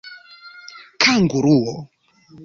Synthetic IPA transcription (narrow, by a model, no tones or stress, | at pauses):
kʰaŋɡuɾuwɔ